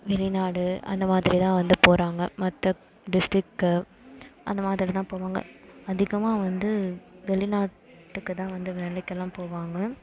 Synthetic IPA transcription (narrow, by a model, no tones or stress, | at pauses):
ʋɛɭɪnaːɽɯɐ̰nd̪ɐmaːðɪɾit̪ãːʋɐnd̪ɯpoːɾaːŋɡɐmɐt̪ːɐ | ɖɪsʈɾɪkː | ʔɐ̰nd̪ɐmaːðɾit̪ãːpoːʋaːŋɡɐ̰ɐðɪɣɐmaːʋɐnd̪ɯʋɛɭɪnaːʈ | ʈːɯkːɯt̪ãːʋɐnd̪ɯʋeːlɐkːɐlːãːpoːʋaːŋɡɐ